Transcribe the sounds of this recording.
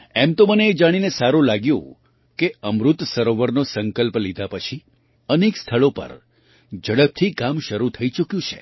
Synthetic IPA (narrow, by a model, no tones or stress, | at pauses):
ɛmt̪oməneːd͡ʒaɽ̃inesaɾũlaɡjṵ̃ | keəmɾut̪səɾoʋəɾnosəŋkəlplid̪ʱapət͡ʃʰi | ənekst̪ʰəɭopə̰ɾ | d͡ʒəɽəb̚t̪ʰikamʃəɾut̪ʰəit͡ʃukjũt͡ʃʰḛ